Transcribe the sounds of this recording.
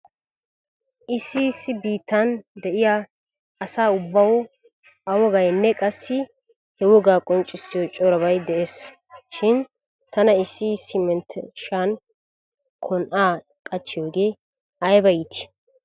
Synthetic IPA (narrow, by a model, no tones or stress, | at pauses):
ʔɪsːɪsːɪbiːt̪ːɐnd̪ɛʔɪja | ɐsaːʊbːɐwɔ | ʔɐwɔɡɐjnːɛkʼɐsːɪ | hɛwɔɡaːkʼɔnt͡ʃʼːɪsːɪjɔt͡ʃʼɔɾɐβɐjd̪ɛeːs | ʃɪn | t̪ʰɐnɐɪsːɪsɪmɛnt̪ʰɛʃan | kʰɔnʔaː | kʼɐt͡ʃːɪjoːɡeː | ɐjbɐjɪt̪ɪ̥